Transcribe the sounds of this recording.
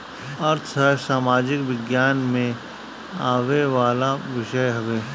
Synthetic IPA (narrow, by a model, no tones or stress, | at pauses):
ɐɾt̪ʰsɛsaːmaːd͡ʒɪkʋɪɡjaːnmẽ | aːʋeʋaːlaʋɪʃəjɦɐʋeː